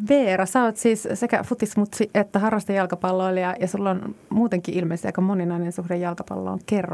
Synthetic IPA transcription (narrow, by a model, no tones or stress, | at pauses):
ʋeːɾɑsɑot̪siːssekæ̰fut̪ismut̪siʔet̪ːæhɑrːɑst̪ɑjɑlkɑpɑlːoːljɑjɑsulːonmuːt̪eŋkiʔilmeisɑ̰komoninɑinensuhdejjɑlkɑpɑ̰lːo̰ːŋkerːo